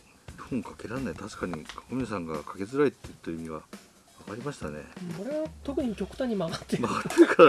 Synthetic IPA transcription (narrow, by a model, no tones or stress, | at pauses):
hõŋkake̞ɾãnait̪aɕi̥kaɲ̟ikomʲisãŋɡakʰḁke̞zɨɾait̪ːeɯt̪ːoimʲiɡa̰ | βakaɾʲimaɕi̥t̪anḛɯ̃koɾeβat̪o̞kɯ̟ɲ̟ikʲo̞kɯ̟t̪ãɲ̟imaɡat̪ːemaɡat̪ːeɯk